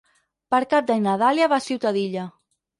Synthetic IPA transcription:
pəɾkap̚d̪anaðaljaβasiwt̪aðiʎa

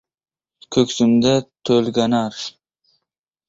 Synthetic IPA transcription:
kʲʰɵkʲsymd̪at̪ʰɵlɡʲanaɾ

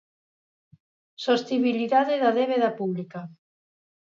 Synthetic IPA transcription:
sost̪iβiliðaðɪðɐðeβeðapuβlika

